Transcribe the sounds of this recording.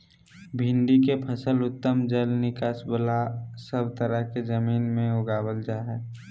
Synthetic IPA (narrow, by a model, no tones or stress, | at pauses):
bʱɪ̃nd̪ikepʰəsəlʊt̪ːəmd͡ʒəlnɪkaːsbəlasəbt̪əɾəɦked͡ʒəmiːnmẽʊɡaːwəld͡ʒaːɦɛː